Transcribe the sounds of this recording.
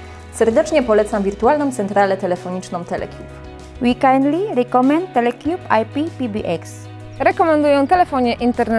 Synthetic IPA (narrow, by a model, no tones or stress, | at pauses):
sɛɾd̪ɛt͡ʂɲɛpɔlɛt̪samvʲiɾt̪ualnɔ̃w̃t̪sɛnt̪ɾalɛt̪ɛlɛfɔɲit͡ʂnɔ̃w̃t̪ɛlɛ̰kʰʲjup | wikajnd̪liɾɛkɔmɛ̃nt̪ːɛlɛkʲjupajpipibḭʔɛks | ɾɛkɔmɛ̃nd̪ujɔ̃w̃t̪ɛlɛfɔɲɛʔint̪ɛɾnɛ